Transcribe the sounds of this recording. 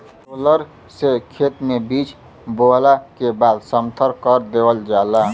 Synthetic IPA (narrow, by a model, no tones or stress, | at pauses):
oləɾ | sekʰet̪mebit͡ʃ | bolakebad̪səmt̪ʰəɾkəɾd̪ewəld͡ʒala